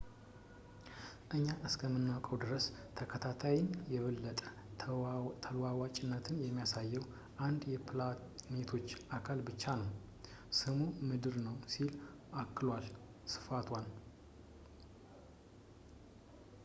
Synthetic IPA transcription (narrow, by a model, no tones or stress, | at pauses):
ʔɨɲːaʔɨskʰəmːɨnːawkʼəwd̪ɨɾəst̪ʰəkʰət̪ʰat̪ʰajɪnjɛβəlːət̪ʼə | t̪ʰəlwawat͡ʃʼɪnːət̪ʰɨnjɛmːijasajːɛw | ʔand̪jɛpʰlanet̪ʰo̞t͡ʃːʔakʰalbɨt͡ʃːanəw | sɨmumɨd̪ɨɾnəwsil | ʔakːɨlwal | sɨ̥fat̪ʰwal